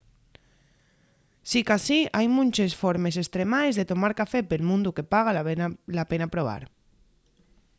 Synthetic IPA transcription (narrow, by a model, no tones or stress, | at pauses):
sikasiajmunʲt͡ʃesfoɾmesest̪ɾemaezðet̪omaɾkafepelmũnd̪ukepaɣ̞alapenapɾoβ̞a̰ɾ